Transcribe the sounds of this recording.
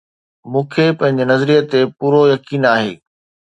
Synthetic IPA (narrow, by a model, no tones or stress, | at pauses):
mũːkʰepɐ̃ɦɪ̃ɲ̆d͡ʑenɐzɾijət̪epuːɾojɐkiːnaːɦḛː